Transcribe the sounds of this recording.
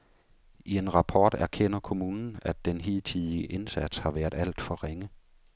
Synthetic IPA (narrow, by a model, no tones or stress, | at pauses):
ie̝nʁɑ̈pʰɒːd̥æɐkʰen̰ɐkʰo̝muːnn̩æd̥ːenɦiːlt͡sʰiðˠi̥əʔe̝nsæd̥shɑ̈ʋæɐd̥ˠæl̰d̥fɒʁeŋə